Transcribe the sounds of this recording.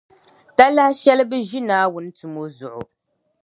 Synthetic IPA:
ta˦la˦hʃɛ˦lɨ˦bɨ˦ʒi˦naː˦wʊ˦n̩˦tu˨mo˦zʊ˨ʔʊ̰˨

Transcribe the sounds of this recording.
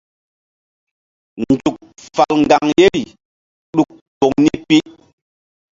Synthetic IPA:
nd͡ʒu˨k̚fa˨lŋɡa˨ŋje˦ɾi˨ | ɗu˦˨k̚ | po˨ŋni˦pi˦

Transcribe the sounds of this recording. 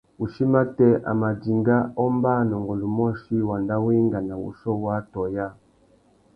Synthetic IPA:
u˨ʃi˦ma˦tɛ˦ʔa̰˨ma˨di˨ŋɡa˦ɔ˦mba˦nɔ˨ŋɡɔ˨lu˨mɔ˦ʃi˦wa˨nda˦wi˦ŋɡa˨na˨wṵ˨ʃɔ˦wa˦tɔ˨ja˦

